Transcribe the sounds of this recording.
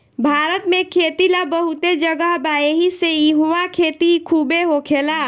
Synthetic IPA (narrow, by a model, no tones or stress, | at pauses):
bʱaɾət̪mẽkʰet̪ilabəɦut̪ed͡ʒəɡəɦbaeɦiseiɦuʋakʰet̪ikʰubeɦokʰela